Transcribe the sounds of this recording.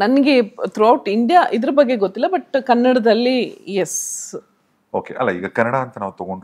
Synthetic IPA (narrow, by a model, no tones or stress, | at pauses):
nɐnɐɡet̪ɾuɐwʈiɳɖijaːʔid̪ɐɾɐbɐɡːeɡot̪ːilːɐbɐʈkɐnːɐɽɐd̪ɐlːijes | oːkḛʔɐ̰lːɐḭːɡɐkɐnɐɽaɐnt̪ɐnaːʋut̪ɐɡoɳɖ